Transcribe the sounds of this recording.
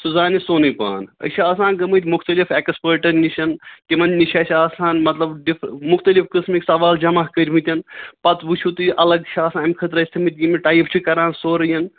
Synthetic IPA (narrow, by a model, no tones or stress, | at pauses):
suzaːnisoːnɨpa̰ːnə̰t͡ʃʰiaːsãːnɡɐmɨt̪ʲmuxt̪ɐlifʰekspəːɾʈɐɾniʃʰɐnk̪imɐnnit͡ʃʰaːsʰʲaːsaːnmɐt̪lɐbɖifʰmʊxt̪ɐlifkɨsmiksɐʋaːld͡ʒɐmɐɦkəɾʲmit̪ʲɐnpɐt̪ʋut͡ʃʰut̪ɨʔɐlɐɡ̚t͡ʃʰaːsãːɐmʲkʰɐt̪ɾɐsʲt̪ʰimit̪ʲjimiʈaːjpʰt͡ʃʰikɐɾaːnsoːɾɐjɐn